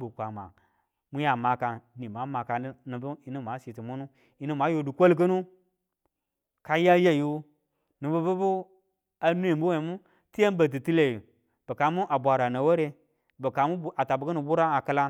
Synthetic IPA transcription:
bu˨kʷa˨ma̰˨ | mu˦ja˨ma˨ka˨ni˨ma˨˦ma˨ka˨˦nu˨bu˦i˨ni˦m˨a˨˦si˨ti˨mu˦nu˦ | i˨ni˦ma˨˦jo˨du˨kʷo˦lk̬ə˦nu˦ | ka˦ja˦ja˦ju˦ | nu˨bə˦bu˦bu˦ | a˨nu˦i˨mbu˦we˨mu˦ | ti˦je˦n˦ba˨t̬i˨ti˦le˨ju˨ | b̥ə˨ka˨mu˦ʔa˨bʷa˨ɾa˨na˨wo˦ɾe˦ | bə˨ka˨mu˦a˨ta˨bu˨kə˦nu˨bu˦ɾa˦a˨kə˦la˦

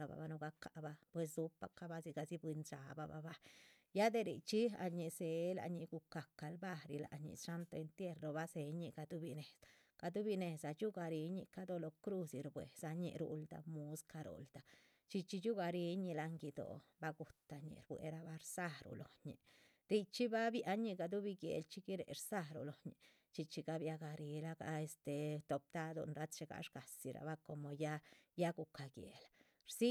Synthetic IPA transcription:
a˧ba̰˨ba˧no˧ɡa˧˦ka˨ba˧pwe˧s̬d̪u˦pa˧ka˦ba˦zi˧ɡa˧zi˦bwi˧nt͡ʃa˨ba̰˧ba̰˧ba˦ | ja˦d̪e˧ɾḭ˨t͡ʃi˦a̰˧ɲi˨se˨la̰˧ɲi˧ɡu˧ka˨ka˧lba˦ɾi˧la̰˨ɲḭ˧sʂa˦nt̪o˧e˧nt̪je˦ɾɾo˧ba˦se˧ɲi˧ɡa˧d̪u˦bi˧ne˨sa˨ | ɡ̥a˧d̪u˦bi˧ne˨sa˨t͡ʃu˦ɡa˧ɾi˧˦ɲḭ˧ka˦d̪o˧lo˧kɾu˦˧si˧ɾbwḛ˨sa˧ɲḭ˧ɾṵ˧ld̪a̰˧mu˧˦ska˧ɾṵ˨ld̪̥a˨ | t͡ʃi˧t͡ʃi˧t͡ʃu˦ɡa˧ɾi˧˦ɲi˧la˧ŋɡi˧d̪o̰˨ba˦ɡu˨t̪a˨ɲḭ˧ɾbwḛ˨ɾa˧ba˧ɾsa˦ɾṵ˨lo˨ɲḭ˨ | ɾi˧t͡ʃi˦ba˦bja˦ɲi˧ɡa˧d̪u˦bi˧ɡjḛ˨lt͡ʃi˦ɡi˦ɾḛ˨ɾsa˦ɾṵ˨lo˨ɲḭ˨ | t͡ʃi˧t͡ʃi˧ɡa˦bja˧ɡa˧ɾi˧˦la˦ɡa̰˧e˧st̪e˨t̪o˨p̚d̪a˦d̪o̰˧nɾa˦t͡s̪t͡ʃe˧ɡa̰˧ʂɡa˨si˨ɾa̰˨ba˦ko˨mo˨˧ja˦ja˦ɡu˨ka˨ɡjḛ˨la | ɾsi˦

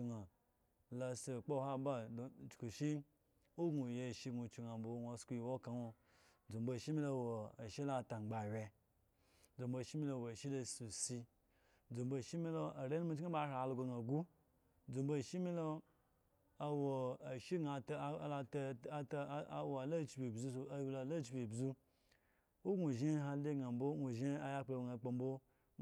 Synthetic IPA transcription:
i˧ŋa˨ | la˧se˨k͡po˦ha˦ba˦dt͡ʃku˨ʃi˦ | o˦ɡu˨je˧˨ʃi˧ɡu˨t͡ʃi˧˨ŋa˨bo˨wnʷo˧˦sku˦ji˨wo˦ka˨no˧ | d͡zu˨mbo˨ʃi˦mi˦lo˦˨wo˨a˨ʃi˦la˦˨ta˨ŋ͡mɡ͡ba˨wʲe˧ | d͡zu˨mbo˧˨ʃi˦mi˦lo˧˨wo˨a˨ʃi˦lo˧su˨si˧ | d͡zu˨mbo˦˨ʃi˦mi˦lo˦ʔa˨ɾe˦n˦mu˧˦t͡ʃŋa˦ba˦ʃa˨˧lo˨ɡo˧ɡa˨ɡu˦ | d͡zu˨mbo˦˨ʃi˦mi˦lo˦ | a˨wo˨a˨ʃi˦ɡa˨tla˧ttwo˨a˨lo˦˨t͡ʃi˨bʲi˨bzu˦so˨a˦wi˧lo˧˨lo˦t͡ʃi˨bʲi˨bzu˦ | o˦ɡu˨ʒi˦ɦa˧le˦ɡa˨mbo˦ɡʷu˨ʒi˦a˨ja˦k͡plo˧wŋa˨k͡pa˧m˦bo˦

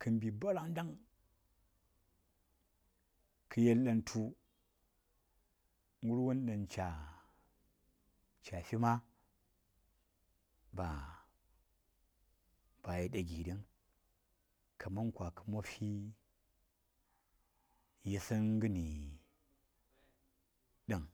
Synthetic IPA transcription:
kʰɨ˨mbi˨ba˦ɾa˦˨ŋ˦da˦ŋ | kʰɨ˨je˦lɗa˦ntʰu˦ | ŋɡu˦ɾwo˦n˦ɗɐ˨nt͡ʃa˨ | t͡ʃa˨fi˦ma˦ | ba˨ | b̥a˨ji˦ɗa˨ɡi˨di˦ŋ | kʰa˨ma˦nkʷwa˨kə̥˨mo˦fi˦ | ji˦sə˦nɡɨ˦ni˨ | ɗa˨ŋ

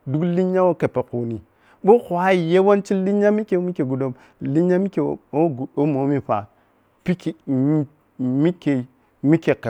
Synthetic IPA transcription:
du˦kli˦ɲa˦wo˦ke˨pe˨ko˨ni˨ | ɓo˦xwa˦i˨je˦wo˦nt͡ʃi˦li˦ɲa˦mi˦ke˨˦mi˦ke˨ɡu˨do˨m | li˦ɲa˦mi˦ke˨˦o˦ɡu˨do˦mo˨˦mi˦pa̰˨ | pi˦ki˨˦ | mi˦ke˨i˨ | mi˦ke˨ke˨

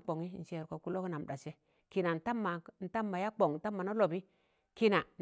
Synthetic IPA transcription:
k͡po˨ŋi˦n̩˦ʃe˨ɾko˨ku˦lo˦ki˦na˨m˨ɗa˨se˦ | ki˨na˨n̩˨ta˦mːa˨n̩˦ta˦mːa˨ja˦k͡po˨ŋ˨n̩˦ta˦mːa˨no˦lo˨bi˦ | ki˦na˨n

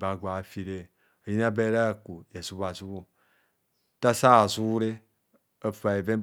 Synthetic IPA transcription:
ba˨ɡʷa˨fi˨ɾe˦˨ | a˨ji˦na˦be˦ɾa˦˨ku˨je˨zu˦ba˨zu˦βu˦ | ta˦sa˦˨zu˦wu˦ɾe˦ | a˨fa˨e˨ve˦

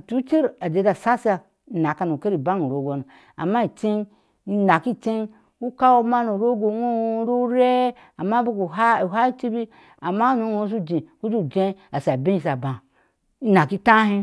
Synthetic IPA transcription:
tu˦t͡ʃi˦ɾa˨d͡ʒe˧˦da˨sa˦sa˧˨ | na˨ka˧nu˨ke˦ɾi˨ba˦nu˨ɾo˨˦ɡo˨nu˨ | a̰˨mːa˦i˨t͡ʃe˦n˦ | na˨ki˦t͡ʃe˦ | u˦ka˦wu˦ma˦nu˨ɾo˦ɡo˨˦ŋu˦ɾo˦ɾe˦ | a˨mːa˦bu˦ku˨ɦa˦u˨ɦa˦i˦t͡ʃi˦bi˦ | a˨mːa˦u˦nu˨˦ŋo˦s̬u˦d͡ʒĩ˨ku˦d͡ʒu˦˨d͡ʒẽ˦a˨sa˨be˦i˦˨s̬a˨bã˨˦ | na˨ki˦tã˦ɦĩ˦

